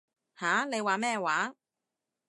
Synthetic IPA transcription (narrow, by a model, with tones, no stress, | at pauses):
haː˨˥ne˨˧jwaː˨˥mɛː˥˧waː˨˥